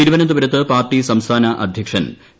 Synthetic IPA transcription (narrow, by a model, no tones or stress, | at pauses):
iɾuʋɐnɐd̪ubɐɾɐt̪ːɨpaːrʈːisɐmst̪ʰaːnɐʔɐd̪ʱjɐkʂɐn